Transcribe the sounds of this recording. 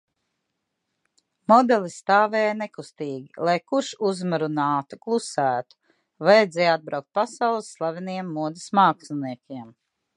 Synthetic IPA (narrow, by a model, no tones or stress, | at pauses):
mɔd̪ɛlˠist̪aːvɛːjnekust̪iːɡʲilˠajkuɾʃuzmaɾunaːt̪uklˠusæːt̪u̥ | vajɛd̪zɛːjad̪̚bɾawk̚t̪̚pasɑwlˠsːlˠavʲiniɛmːuɔd̪ismaːksniɛkʲiɛm